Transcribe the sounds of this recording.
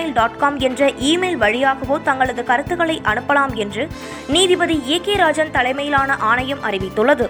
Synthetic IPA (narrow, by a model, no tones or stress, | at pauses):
eɪlɖaːʈkaːmɛndrɐʔiːmeɪlʋɐɻɪjaːɣɐʋoːt̪ɐŋɡɐɭɯðɯkɐɾɯt̪ːɯɣɐɭɐɪʔɐnɯpːɐɭaːmɛndrɯ | niːðɪbɐðiɪjɐkːeːɾaːd͡ʒɐnt̪ɐlɐɪmɐjɪlaːnɐʔaːnɐjɐmʔɐ̰rɪʋɪt̪ːɯɭːɐðɯ